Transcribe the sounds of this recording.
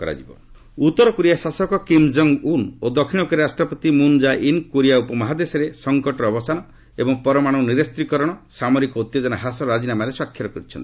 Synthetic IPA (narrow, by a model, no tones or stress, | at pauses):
kɔɾa̰d͡ʒibɔ̰ | ut̪ːɔɾɔkuɾijasasɔkɔkimd͡ʒɔŋɡunod̪ɔkʰiɽ̃ɔkɔɾeɾasʈɾɔpɔt̪imund͡ʒaʔinkuɾijaupɔmɔɦad̪esɔɾesɔŋkɔʈɔːbɔsanɔ | ebɔŋpɔɾɔmaɽ̃ɔniɾest̪ɾikɔɾɔɽ̃ɔsamɔɾikɔut̪jod͡ʒɔnaɦasɔɾad͡ʒinamaɾeswakʰːjɔɾɔkɔɾit͡ʃʰɔnt̪i